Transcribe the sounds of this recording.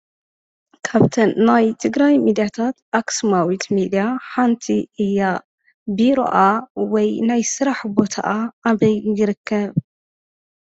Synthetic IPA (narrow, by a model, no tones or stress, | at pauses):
kʰaβt̪ʰɐnːajt̪ʰɨɡɾajmid̪ijat̪ʰat̪ʔaksmawit̪mid̪ijaħant̪ʰiʔɨjːa | biɾo̰ʔawɔjnajsɨɾaħbo̞t̪ʰa̰ʔaːβɐjjɪɾɨkːɐβ